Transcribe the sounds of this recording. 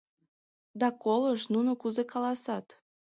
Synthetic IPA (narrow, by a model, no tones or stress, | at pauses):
d̪ɑkoləʃnunokuzekɑlɑsɑt̪